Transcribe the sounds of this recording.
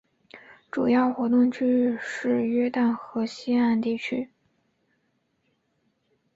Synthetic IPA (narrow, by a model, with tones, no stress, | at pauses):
ʈ͡ʂu˨˩jɑ˥˩ʊxwɔ˧˥t̪ʊ˥˩ŋt͡ɕʰy˥ʂɻ̩˥˧ɥɛ˥t̪a˥˩nxɤ˧˥ɕi˥a˥˧nt̪i˥˩t͡ɕʰy˥